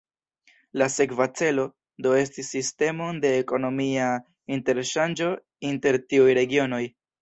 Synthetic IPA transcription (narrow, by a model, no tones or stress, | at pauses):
lase̞kvat͡se̞lo̞ | do̞e̞stisːiste̞mo̞nde̞ːko̞no̞mia | inte̞ɾʃand͡ʒo̞ | inte̞ɾtiujɾe̞ɡio̞no̞j